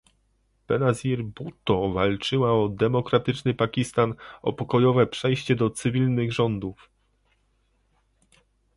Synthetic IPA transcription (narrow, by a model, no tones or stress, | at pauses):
pɛnaziɾbut̪ɔvalt͡ʂɘwaɔd̪ɛmɔkɾat̪ɘt͡ʂnɘpakʲist̪anɔ̰pɔkɔjɔvɛpʂɛjɕt͡ɕɛd̪ɔt̪sɘvʲilnɘɣʐɔnd̪uf